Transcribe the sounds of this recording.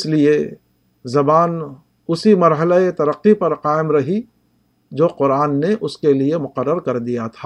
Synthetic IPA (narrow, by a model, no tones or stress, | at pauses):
ɪslie | zɐbaːn | ʊsimɐɾɦəlaet̪ɐɾəqːipɐɾqaːɪmɾɐɦi | d͡ʒoːqʊɾaːnːeʔʊskeliemʊqəɾːəɾkɐɾd̪ijat̪ʰa